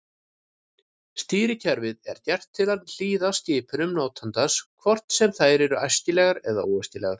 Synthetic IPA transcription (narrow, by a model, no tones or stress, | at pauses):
st̪iːɾɪcʰɛɾvɪðɛ̰ɾ̥t̪jɛr̥t̪ʰːɪlanl̥iːðastc̪ɪːpʰʏnʏmnaːwt̪ʰant̪askʰvɔr̥t̪n̥sɛmθajɾɛɾʏʔajscɪlɛːɣaɾɛða̰uːɛsc̪ɪlɛ̰ɣaɾ̥